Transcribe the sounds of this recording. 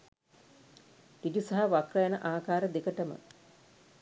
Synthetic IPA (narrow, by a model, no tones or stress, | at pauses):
ʈidisaɦaʋakrəjanəʔaːkaːɾəd̪ekəʈəmə̰